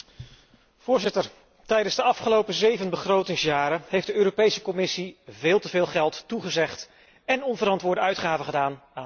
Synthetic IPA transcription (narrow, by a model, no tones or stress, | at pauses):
v̥ʊːɹzɪtəɹ | tɛjdənzdəɑfχəlowpəzejvənbəχrowtɪŋsjaːɾəɦejfdəøːɾopejsəkɔmɪsivɪːlˠtəvɪːlˠχɛlˠtːuχəzɛχt | ɛnɔnvəɾɑntʋʊːɹdəœɥtχaːvəχədaːnaː